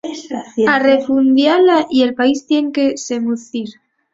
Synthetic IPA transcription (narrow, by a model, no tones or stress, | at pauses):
are̞fund̪jalaʔie̞lpaist̪je̞ŋke̞se̞muθiɾ